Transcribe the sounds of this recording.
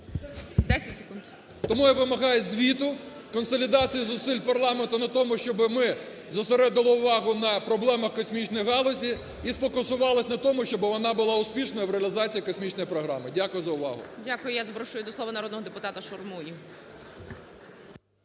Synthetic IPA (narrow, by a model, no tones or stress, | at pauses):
d̪ɛsʲɐtʲse̥kund̪ | t̪ɔmujaʋɪmɐɦɑjɛzʲʋʲit̪ʊ | kɔnsɔlʲid̪ɑt͡sʲijʊzʊsɪlʲpɐrlˠɑment̪ʊnɐt̪ɔmʊʃt͡ʃɔbɪmɪ | zɐseɾɛd̪ɪlˠɔʊʋɑɦʊnɐpɾɔblˠɛmɐxkɔsʲmʲit͡ʃnɔjɦɑlˠɔsʲi | isfɔkʊsʊʋɑlˠɐsʲnɐt̪ɔmʊʃt͡ʃɔbɪʋɔnɑbʊlˠɑʊspʲiʃnɔjɐʋɾeɐlʲɪzɑt͡sʲijikɔsʲmʲit͡ʃnɔjipɾɔɦɾɑ̰mɪdʲakʊjʊzɐʊʋɑ̰ɦʊ̰dʲakʊjʊjazɐbɾɔʃʊjʊd̪ɔsˠɔʋɐnɐɾɔd̪nɔɦɔd̪epʊt̪ɑt̪ɐʃɔrmuji